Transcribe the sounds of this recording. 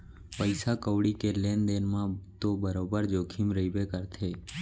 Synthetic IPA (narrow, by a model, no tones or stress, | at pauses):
pəɪsaːkəʋɽikeleːnd̪eːnmãːt̪oːbəɾoːbəɾd͡ʒoːkʰimɾəibeːkəɾt̪ʰeː